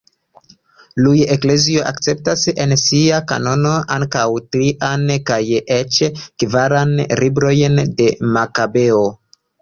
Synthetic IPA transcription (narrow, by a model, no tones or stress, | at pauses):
luje̞kle̞zio̞ʔa̰kt͡se̞p̚tase̞nsiaka̰no̞no̞ʔaŋkawtɾiʔankaje̞t͡ʃkvaɾanlibɾo̞jnde̞makabe̞o